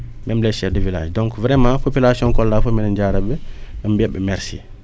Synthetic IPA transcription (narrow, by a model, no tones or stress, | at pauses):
mɛmlɛʃɛfdəvila̰ːʃdɔ̃ŋkvɾɛmãpopilasiɔ̃ŋkɔlːaːfomɛnənɟaːɾɐbɛɛmbɛbːɛmɛɾsḭ